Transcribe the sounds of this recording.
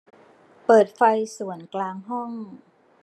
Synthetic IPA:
pɤː˨˩t̪̚fa˧jsu˨˩ənklaː˧ŋɦɔ˥˩ŋ

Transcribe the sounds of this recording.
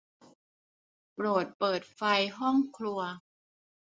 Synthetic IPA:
pɾoː˨˩t̪̚pɤː˨˩t̪̚fa˧jɦɔ˥˩ŋkʰlu˧ɐ

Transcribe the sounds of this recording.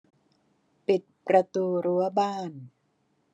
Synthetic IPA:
pi˨˩t̪̚pɾa˧t̪uː˧ɾu˦˥ɐbaː˥˩n

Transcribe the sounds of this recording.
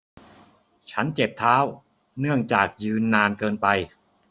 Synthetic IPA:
t͡ɕʰa˦˥nt͡ɕe˨˩p̚t̪ʰaː˦˥w | nɯ˥˩əŋt͡ɕaː˨˩k̚jɯː˧nːaː˧nkɤː˧npa˧j

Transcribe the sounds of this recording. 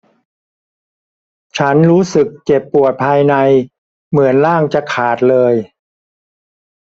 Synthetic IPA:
t͡ɕʰa˦˥nɾuː˦˥sɯ˨˩k̚t͡ɕe˨˩pːu˨˩ət̪̚pʰaː˧jna˧j | mɯ˩˦ənlaː˥˩ŋt͡ɕa˨˩kʰaː˨˩t̪̚lɤː˧j

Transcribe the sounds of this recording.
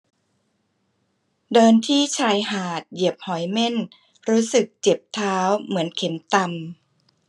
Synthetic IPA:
dɤː˧nt̪ʰiː˥˩t͡ɕʰaː˧jhaː˨˩t̪̚ji˨˩əp̚hɔ˩˦jme˥˩n | ɾuː˦˥sɯ˨˩k̚t͡ɕe˨˩p̚t̪ʰaː˦˥wmɯ˩˦ənkʰe˩˦mt̪a˧m

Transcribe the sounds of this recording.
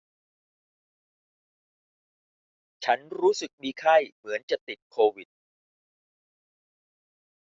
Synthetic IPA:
t͡ɕʰa˦˥nɾuː˦˥sɯ˨˩k̚miː˧kʰa˥˩jmɯ˩˦ənt͡ɕa˨˩t̪i˨˩t̪̚kʰoː˧wi˨˩t̪̚

